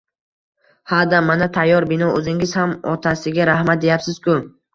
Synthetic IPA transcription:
had̪amanat̪ʰajːɒɾbɪnɒɵzɪŋɪzhamɒt̪ʰasɪɡʲaɾahmat̪̚d̪ejapsɪz̥kʰʊ

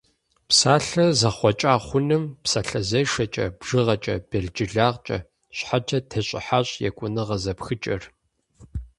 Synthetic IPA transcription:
psaːɬɐzɐχʷɔt͡ʃʼaːχʷʊnɨmpsaːɬɐzɐjʂɐt͡ʃʼɐ̰bʒɨʁɐt͡ʃʼɐb̥ɐɮd͡ʒʼɪɮaːʁt͡ʃʼɐ̰ | ɕħat͡ʃʰɐtʰɐɕʼɪ̰ħaːɕʼjɛ̰kʷʼʊnɨʁɐzɐpxɨt͡ʃʼɐr

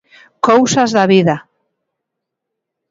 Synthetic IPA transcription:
kowsazðaβiða

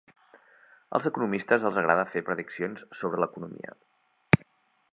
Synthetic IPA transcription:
ə̰lˠzəkunumist̪əzəlˠzəɣɾaðəfepɾəðiksionsːoβɾələkunumḭə̰

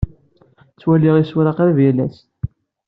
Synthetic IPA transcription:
t͡sːwæliʁisuɾɑqɾvjælæs

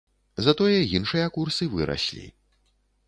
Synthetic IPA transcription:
zɐt̪ɔjɐjinʂɨjɐkursɨvɨɾʔa̰sʲlʲḭ

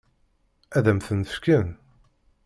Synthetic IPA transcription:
æðæmθənə̥fkən

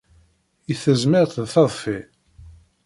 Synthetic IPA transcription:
jəθəzmɪɾθðθɑðˤfi

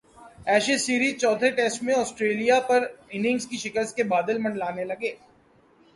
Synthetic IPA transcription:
ɛːʃesiːɾiːzt͡ʃɔːd̪ʱʰeʈɛːsʈmẽɔːsʈɾeːlijapɐɾɪnɪ̃ŋɡskiʃɪkəɾskebaːd̪əlmɐ̃ɳɖlaːnelɐɡeː

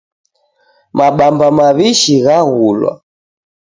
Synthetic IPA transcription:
maɓambamaβiʃiɣaɣulwa̰

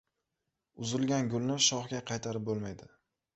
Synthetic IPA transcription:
ʊzɪlˠɡʲanɡʲʊlnɪʃɒχɡʲaqʰɑjt̪ʰaɾɪp̚bolˠmajd̪ɪ

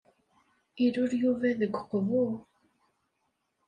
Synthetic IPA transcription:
iɾuɾjuvæðəɡqvu

